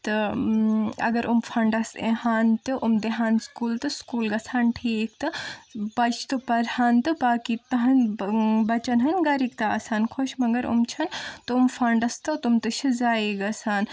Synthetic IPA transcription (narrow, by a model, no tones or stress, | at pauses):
t̪ɨ | ɐ̰ɡɐɾʔumfʰɐɳɖɐsehaːnt̪iʔumd̪eɦaːnskuːlt̪ɨskuːlɡɐsʰaːnʈʰiːk̚t̪ɨbɐt͡ʃʰt̪ɨpɐɾhaːnt̪ɨbaːkit̪ɐɦɐnbɐt͡ʃɐnɦɐnɡɐɾikt̪aɐ̰saːnkʰoʃmɐɡɐɾṵmt͡ʃʰɐnt̪ɨumfʰɐɳɖɐst̪ɐt̪umt̪ɨʃʰizaːiɡɐsaːn